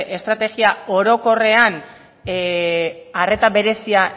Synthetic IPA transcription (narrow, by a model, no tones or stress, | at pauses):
ʔe̞st̪ɾat̪e̞ɣiao̞ɾo̞ko̞re̞an | are̞t̪aβe̞ɾe̞sia